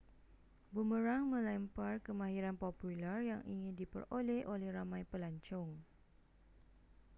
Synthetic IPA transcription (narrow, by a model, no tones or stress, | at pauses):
buməɾaŋmə̃lɛmparkəmãɦiɾanpopulərjaŋʔiŋɪ̃ndipə̰rolɛhʔolɛhramãjpəlaɲt͡ʃɔŋ